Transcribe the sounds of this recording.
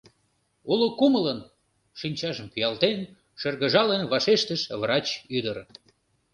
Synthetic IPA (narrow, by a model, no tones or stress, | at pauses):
ulokumələn | ʃinʲt͡ɕɑʒəmpyjɑlt̪en | ʃərɣəʒɑlenβɑʃeʃt̪əʃβrɑt͡ɕyd̪əɾ